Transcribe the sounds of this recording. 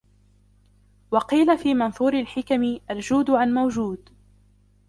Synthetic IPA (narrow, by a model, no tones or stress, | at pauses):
wɑqiːlafiːmanθuːɾɪlħɪkamɪʔald͡ʒuːd̪ʕanmawd͡ʒuːd̪